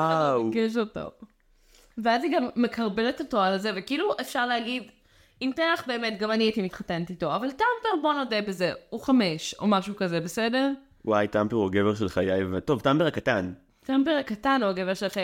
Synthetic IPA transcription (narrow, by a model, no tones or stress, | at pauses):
awɡeʃ̬oto̰ | veaziɡamːekaʁbeletoto̞alzevekiiluʔefʃaʁleaɡid | imteaχbe̞ːmetɡavaniitimitχatenetito̞avaltampeʁbo̞nodebezeuχameʃo̞̰maʃukazebesedeʁ | wajtampeʁoɡeveʁʃelχajajvato̞vtambeakatan | tambeʁakatanoaɡeveʁʃelχaja